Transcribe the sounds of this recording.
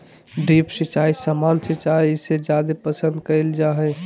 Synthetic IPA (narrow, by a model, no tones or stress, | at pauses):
ɖipsit͡ʃaisəmansit͡ʃaɛised͡ʒad̪epəsə̃nd̪kəɪld͡ʒaɦɛ